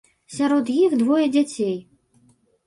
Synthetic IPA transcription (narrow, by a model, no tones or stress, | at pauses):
sʲaɾɔt̪jixd̪vɔjɐd͡zʲat͡sʲej